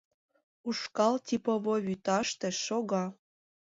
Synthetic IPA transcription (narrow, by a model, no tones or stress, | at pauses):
uʃkɑlt̪ʲipoβoβyt̪ɑʃt̪ĕʃoɣɑ